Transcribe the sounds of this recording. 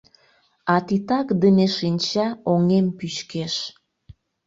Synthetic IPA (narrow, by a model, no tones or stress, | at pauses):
ɑt̪it̪ɑkd̪əneʃinʲt͡ɕɑoŋempyɕkeʃ